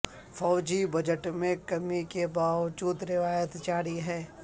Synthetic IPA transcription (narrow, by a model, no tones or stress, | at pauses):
fɔːd͡ʒibɐd͡ʒəʈmẽkɐmikebaːʋd͡ʒuːd̪ɾɪʋaːjət̪d͡ʒaːɽiɦɛː